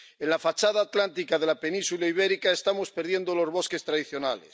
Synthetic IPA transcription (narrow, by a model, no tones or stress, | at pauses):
enlafat͡ʃaðaːt̪lant̪̬ikað̞e̞lape̞nĩnsulaiβ̞e̞ɾikae̞st̪amo̞spe̞ɾðje̞nd̪o̞lo̞zβo̞ske̞st̪ɾaðiθjo̞nale̞̰s